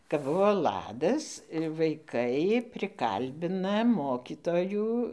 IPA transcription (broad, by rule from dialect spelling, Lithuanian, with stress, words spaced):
kɐp ˈbʊʋoː ˈlˠɑːdɐs ʋɐɪˈkɐɪ pʲrʲɪˈkɐlʲbʲɪnɐ ˈmoːkʲiːtoːjuː